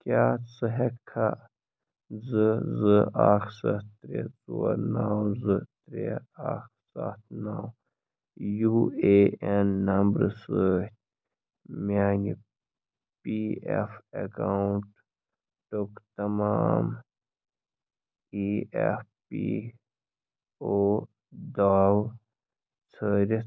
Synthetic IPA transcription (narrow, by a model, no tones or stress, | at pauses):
kaːt͡sɨɦekʰa | zɨzɨaːxsɐt̪t̪ɾḛt͡suwɐ̰ɾnaːwzɨt̪ɾeaːx | sa̰ːt̪ʰnaw | jueenːɐmbɾɨsət̪̚ʲ | mʲaːni | piefɐkauɳʈ | ʈokt̪ɐmaːm | iefpḭ | oː | d̪aːw | t͡sʰəːɾi